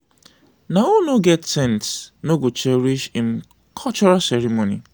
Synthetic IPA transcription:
naunuɡɛtsɛ̃ntsnoɡot͡ʃɛɾiʃĩn̩ | kʰɔlt͡ʃɔɾasɛɾimonḭ

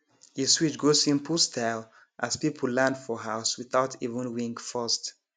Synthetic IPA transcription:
jiswit͡ʃɡosĩnpʰustʰaɪlˠ | ʔaspipʰl̩lãndfɔɦaʊswɪθaʊtʰivə̃nwĩŋkfɜst

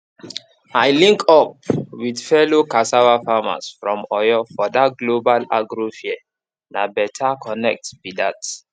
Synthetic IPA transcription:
ajlĩŋkɔp̚widfɛlokasawafama̰sfɹɔ̃mɔjɔfɔdat̚ɡlobalaɡɹofiɛ | nabɛtʰakʰɔnɛk̚tbidat

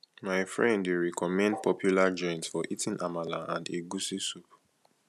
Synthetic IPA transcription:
maɪfɹɛ̃ndeɹɛkʰɔmɛ̃nd̚pʰɔpʰjulad͡ʒɔ̃nsfɔʔitʰĩnʔamalaãndeɡusisup

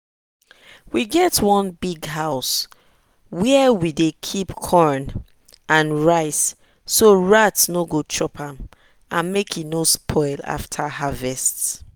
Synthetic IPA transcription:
wiɡɛtwɔ̃nbiɡɦaʊs | wɛɛwidekʰipkʰɔɹn | ãnɹaɪsː | oɹatnoɡot͡ʃʰɹɔpʰãm | ãnmekʰinospʰɔɪla̰ftʰahavɛst

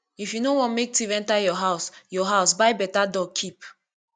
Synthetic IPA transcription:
ifjunowɔ̃nmek̚tivɛ̃ntajɔɦaʊsjɔɦaʊsbaɪbɛtadɔɡ̚kʰip

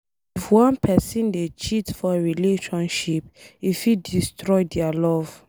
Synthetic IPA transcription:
ifwɔ̃npʰɛsĩndet͡ʃitfɔɹileʃɔ̃nʃipifidistɹɔjdɛalɔv̥

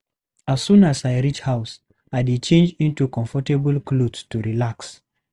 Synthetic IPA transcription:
asːũnazaɪɹit͡ʃhaʊs | aɪdet͡ʃẽnd͡ʒĩntukɔ̃ɱfɔtebəlˠklodstuɹilaks

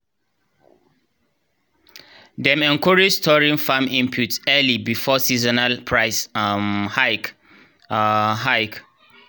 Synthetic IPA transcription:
dɛ̃mɛ̃nkʰɔɹid͡ʒstʰɔɹĩŋfãmĩmpʰjutsɛlibifɔsizɔnalpʰɹaɪsmhajk | ɦaɪk

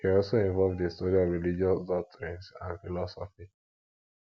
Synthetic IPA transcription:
hiɔlsoĩɱvɔlvdestɔɾiɔvɹilid͡ʒiɔsdɔk̚tʰɹĩnsãnfilɔsɔfi

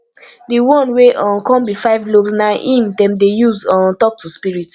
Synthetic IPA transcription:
diwɔ̃nweʔɔ̃kɔ̃mbifaɪvlobsnaʔĩmdɛ̃mdejuzɔ̃ntɔp̚tuspiɹit

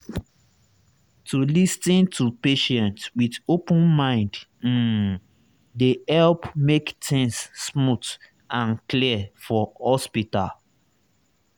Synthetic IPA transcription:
tulistĩntʰupeʃɛ̃ntswidopə̃nmãɪ̃nd̩ | dehɛlpmektɪ̃ŋsːmut | ãnkliəfɔhɔspita̰l

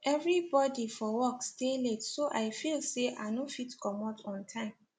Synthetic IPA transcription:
ʔɛvɹibɔdifɔwɔksteletsoʔaɪfilseʔa̰nofitkɔmɔtʰɔ̃ntʰãɪ̃m

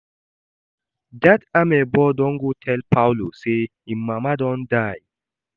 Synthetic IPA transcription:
datamɛbɔdɔŋɡutʰɛlpawlose | imːamadɔndaj

